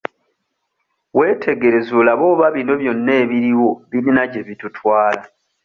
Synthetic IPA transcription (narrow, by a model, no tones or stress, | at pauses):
we̞ːtʰe̞ɡe̞ɾe̞zulaβo̞ːβaβino̞βjo̞nːe̞ːβiɾiwo̞βiɾinaɟe̞βitutʰwaːla